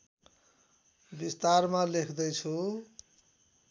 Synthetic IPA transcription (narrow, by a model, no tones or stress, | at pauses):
bist̪armalekʰd̪ʌjt͡sʰu